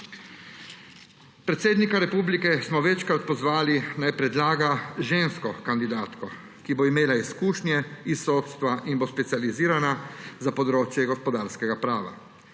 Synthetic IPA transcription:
pɾɛt̪seːd̪nikaɾɛpuːblikɛsmɔʋɛt͡ʃkɾat̪̚pɔzʋaːlinajpɾɛd̪laːɡaʒeːnskɔkand̪id̪aːt̪kɔ | kiboimeːlaiskuːʃnjɛisːoːt̪st̪ʋaʔinbospɛt̪sializiːɾanazapɔd̪ɾoːt͡ʃjɛɡɔspɔd̪aːɾskɛɡapɾaːʋa̰

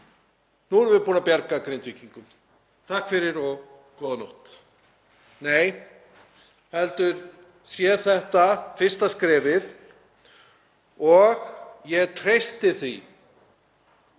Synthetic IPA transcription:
nuɛɾvɪpuːnapjaɾkakɾejnt̪viciŋkʏm | t̪ʰahkfɪɾɪɾɔɣ | kɔːðanowht̪ | neːj | hɛlt̪ʏɾ̥ | sjɛθɛht̪afɪr̥st̪askɾɛːvɪð | ɔɣjɛɣt̪ʰɾejst̪ɪθi

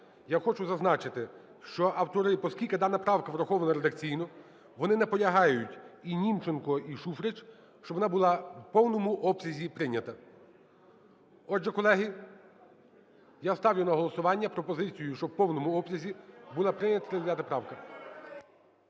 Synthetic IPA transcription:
jaxɔt͡ʃʊzɐznɑt͡ʃɪt̪ɪ | ʃt͡ʃɔʔɐwt̪ɔɾɪpɔskʲilʲkɪd̪ɑnːɐpɾɑwkɐʋɾɐxɔʋɐnɐɾed̪ɐkt͡sʲijnɔ | ʋɔnɪnɛpɔlʲɐɦɑjʊtʲinʲimt͡ʃɪnkɔiʃufɾɪt͡ʃ | ʃt͡ʃɔbʋɔnɑbʊlˠɑwpɔwnɔmʊʔɔpsʲɐzʲipɾɪnʲɐt̪ɐ | ɔʒɛkɔlˠɛɦi | jast̪ɑwjʊnɐɦɔlˠɔsʊʋɑnʲːɐpɾɔpɔzɪt͡sʲijʊʃt͡ʃɔbpɔwnɔmʊɔpsʲɐzʲibulˠɑpɾɪnʲɐt̪ɐɾɪzʲjat̪ɐpɾɑwkɐ

